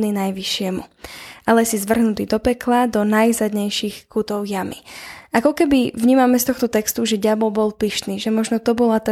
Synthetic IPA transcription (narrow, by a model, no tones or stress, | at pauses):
ninajʋiʃɪɛmṵʔalɛsizʋr̩ɦnut̪iːd̪ɔpɛklad̪ɔnajzad̪ɲɛjʃixkut̪ɔʊjamḭʔakɔkɛbivɲiːmamɛst̪ɔxt̪ɔt̪ɛkst̪uʒɛɟabɔbɔlpiʃt̪niːʒɛmɔʒnɔt̪ɔbɔlat̪a